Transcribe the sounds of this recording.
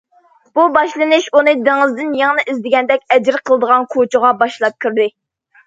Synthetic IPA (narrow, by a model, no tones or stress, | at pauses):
b̥ubɑʃlˠɨnɨʃunɨd̪eŋɨzd̪ɪnjɑŋnɨʔizd̪ɪɡʲɛnd̪ɛkʲɛd͡ʒɾqʰəlˠɨd̪əʁɑnkʰot͡ʃʰəʁɑbɑʃlˠɑp̚kʲʰyɾd̪ɪ